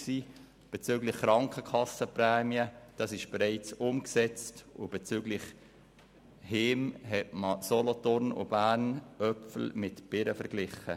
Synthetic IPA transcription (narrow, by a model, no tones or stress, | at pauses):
siː | b̥ɛt͡syːɡlɪχːɾɑŋkχəkʰɑsəprɛːmiəd̥ɑsɪʃb̥eɾæɪt͡sʊmksɛt͡stʊb̥ɛt͡syːɡlɪχ | heːmɦɛtməsɔlɔt̪ʊɾnʊ̰b̥æːɾnœpfl̩mɪtb̥ɪɾəfəɾɡ̥lɪχə̰